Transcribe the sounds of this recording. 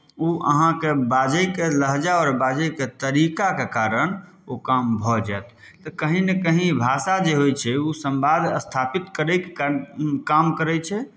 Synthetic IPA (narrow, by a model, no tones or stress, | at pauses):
uʔə̰ɦãkebad͡ʒəjkeləɦd͡ʒaɔːɾbad͡ʒəjket̪əɾikakekaɾəñ | okambʱɔd͡ʒaet̪ | t̪əkəɦĩnekəɦĩbʱasad͡ʒeɦojt͡ʃʰɛusəmbad̪ʱəst̪ʰapit̪kəɾəjkekamkəɾɛt͡ʃʰɛ